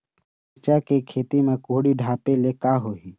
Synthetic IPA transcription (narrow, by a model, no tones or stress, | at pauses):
t͡ʃakekʰeːt̪imẽkoɦɽiɖʱaːpelekaːɦoɦiː